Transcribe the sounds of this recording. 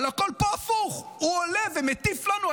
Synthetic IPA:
lakɔlpafuʁuɔlɛvemet̪iflanua

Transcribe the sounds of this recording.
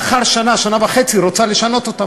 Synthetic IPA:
χaʁʃanaʃanavaχe̞t͡siʁot͡saleʃano̞t̪o̞t̪a

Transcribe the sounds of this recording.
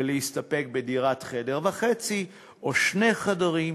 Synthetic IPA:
leist̪ape̞k̚bediʁatχe̞de̞ʁvaχet͡si | ʔoʃne̞χadaʁim

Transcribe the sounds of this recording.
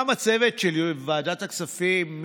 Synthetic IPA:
amat͡sevet̪ʃelvaːd̪at̪aksafimː

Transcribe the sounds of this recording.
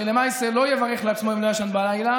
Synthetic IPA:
elemajselo̞jevaʁeχleat͡ssmo̞imlojaʃanbalajla

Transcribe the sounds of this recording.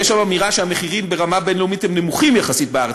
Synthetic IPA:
ɛʃamamiʁaʃeameχiʁimbe̞ʁamabenlomit̪hemnemuχimjaχasit̪̚beaʁ

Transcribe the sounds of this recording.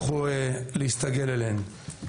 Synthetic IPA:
χuelehist̪aɡelelen

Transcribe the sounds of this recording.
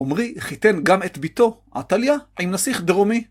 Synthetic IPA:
omʁiχit̪e̞nɡamet̪bit̪o̞ʔa̰t̪aljaʕimnasiχd̪eʁomi

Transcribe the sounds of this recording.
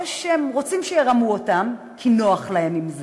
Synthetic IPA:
ʃemʁo̞t͡simʃejeʁamuotam | kʰino̞aχlahemimz

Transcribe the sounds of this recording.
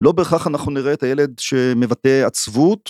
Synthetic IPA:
lo̞beːχaχanaχnuniʁeːt̪ajele̞d̪̚ʃe̞me̞vate̞at͡svut

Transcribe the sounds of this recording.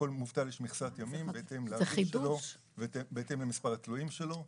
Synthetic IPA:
olmuvt̪aleʃmiχsat̪jamimbeet̪e̞mleaiʃeloʃ | vetebet̪e̞mlemispaʁat̪luimʃelo̞

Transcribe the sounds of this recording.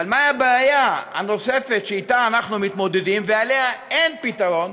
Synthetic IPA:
almajabaːjaa̰no̞se̞fe̞t̪ʃeitaːnaχnumit̪mo̞d̪e̞dimveale̞ɦae̞npitaʁo̞n

